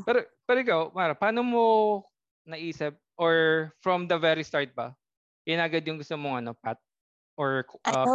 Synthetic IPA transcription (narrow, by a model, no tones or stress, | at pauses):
pɛɾopɛɾoɪkawmaɾɐpaːnomo | nɐʔiːsɪp̚ʔɔɹfɹɔmd̪ɐvɛɾist̪aɹt̪̚bɐ | ɪnaːɡɐd̪jʊŋɡʊst̪omoŋɐno̞pat̪̚ | ʔɔɹʔɐ